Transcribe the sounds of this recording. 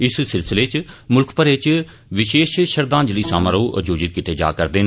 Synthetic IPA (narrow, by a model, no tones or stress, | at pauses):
ɪssɪlsɪleːt͡ʃmʊlkʰpəɾet͡ʃ | ʋɪʃeːʃʃəɾd̪ãːnd͡ʒliːsa̰ːmaːɾoːʔə̰d͡ʒoːd͡ʒɪt̪̚kɪʈ̪eːd͡ʒa̰ːkəɾd̪eːn